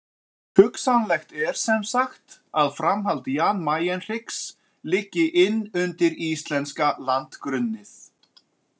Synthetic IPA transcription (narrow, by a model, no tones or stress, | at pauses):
hʏksanlɛxt̪ɛɾ̥sɛmsaxt̪aðfɾamɦalt̪jaːnmaːjɛnr̥ɪks | lɪcːɪʔɪnːʏnt̪ɪɾist̪lɛnskalant̪kɾʏnːɪθ